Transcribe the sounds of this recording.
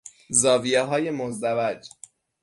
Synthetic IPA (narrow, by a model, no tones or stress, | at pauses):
zɒːvijeɦɒːje̞mozd̪ævæd͡ʒ